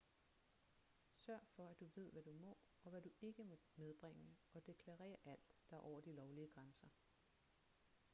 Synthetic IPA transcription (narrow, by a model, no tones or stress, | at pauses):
sɶɐ̰fɒ̽æd̥uʋe̝ð̞̰ˠʋæd̥umɒ̽ | ɒ̽ʋæd̥ue̝ɡ̥əmmeð̞ˠb̥ʁeŋ̰əɒ̽d̥e̝kʰlɑ̈ʁɛ̰ːɐʔæl̰d̥ːɑ̈ʔɒ̰ʊ̰ɐd̥ilɒʊliəɡ̥ʁansɐ